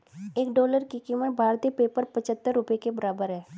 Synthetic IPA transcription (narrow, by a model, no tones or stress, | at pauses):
eːkɖoːləɾkikiməʈ̚bʱaːɾt̪ipeːpəɾpət͡ʃət̪ːəɾːʊpekebəɾaːbəɾɦɛː